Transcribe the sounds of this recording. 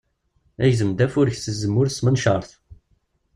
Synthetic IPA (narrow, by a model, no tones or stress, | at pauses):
æʝzəmd̪æfʊɾəçsəzːəmːʊɾsmənʃɑɾˤθ